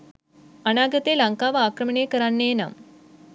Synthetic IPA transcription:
ɐnaːɡɐt̪ːelɐŋkaːʋaːkrɐmɐɳeːkɐɾaːnːeːna̰ːm

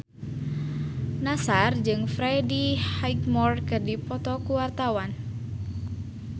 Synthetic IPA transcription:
nasard͡ʒɨŋfɾɛdihajkmɔrkɨrdipɔt̪ɔkuwart̪awan

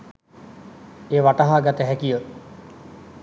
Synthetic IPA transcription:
eːʋaʈaɦaːɡat̪əɦækijə

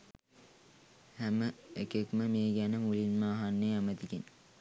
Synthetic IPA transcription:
hæməekekməmeːɡænəmulinmaːɦanːeːɑmət̪ikin

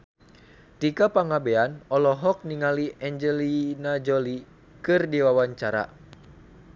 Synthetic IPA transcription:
t̪ikapaŋabeanɔlɔɦɔk̚niŋaliɛɲd͡ʒɛlinad͡ʒɔli | kɨrdiwawaɲt͡ʃaɾa̰

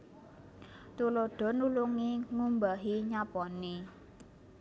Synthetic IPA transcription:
t̪uloɖ̥ɔ̤nuluŋiŋumbaɦiɲapɔne

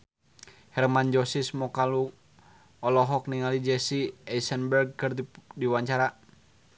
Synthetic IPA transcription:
hɛrmand͡ʒɔsismɔkalu | ɔlɔɦɔkniŋalid͡ʒɛsiɛsənbərɡ̚kɨrdiwaɲt͡ʃaɾa

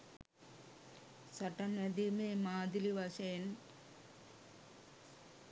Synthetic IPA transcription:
sɐʈːɐned̪imemaːd̪iliʋɐɕeːn

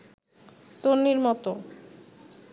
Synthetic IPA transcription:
t̪onːiɾmɔt̪o

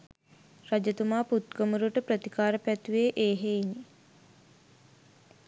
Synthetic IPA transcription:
rad͡ʒət̪umaːput̪̚ɡomuɾuʈəpɾət̪ikaːɾəpæt̪uʋeːʔeːɦeini

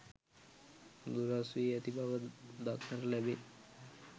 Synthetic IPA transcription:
d̪uɾasʋiːɛt̪ibaʋəd̪akʰnəɾlæbe

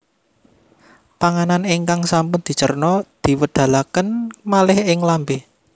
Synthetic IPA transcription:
paŋananɪŋkaŋsampʊnd̪̥i̤t͡ʃə̰rnɔd̪̥i̤wəd̪̥a̤lakənmalɪhɪŋlambe

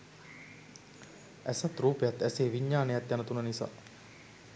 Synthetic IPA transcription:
æsat̪ɾuːpejat̪æseːʋiɲːaːnejat̪janət̪unənisa̰ː

